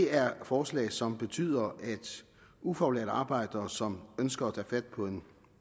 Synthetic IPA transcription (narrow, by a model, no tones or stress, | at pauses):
de̝æɐfɒːslɛ̰ːɪsɒ̽mb̥e̝t͡sʰy̰ːð̰ˠɐʔæd̥ | ufɒ̥ulḛɐd̥ɑ̈ːb̥ɑ̈ɪ̰d̥ɐsɒ̽mønsɡ̥ɐæt͡sʰæ̰ːfæd̥pʰɒ̽e̝n